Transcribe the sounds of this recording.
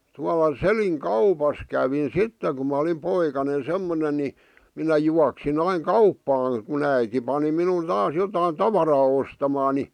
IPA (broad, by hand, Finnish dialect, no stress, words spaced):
tuɑlɑ seliŋ kɑupɑs kæʋin sitːe ku mæ ŏlim poikɑne semːonen̆ ni minæ juɑksin ɑiŋ kɑupːɑːŋ kun æiti pɑni minun tɑːs jotɑi tɑʋɑrɑː ostɑmɑː ni